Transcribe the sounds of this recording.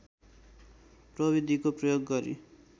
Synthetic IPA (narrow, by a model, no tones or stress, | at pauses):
prʌβid̪ʱikoprʌjoɡːʌɾḭ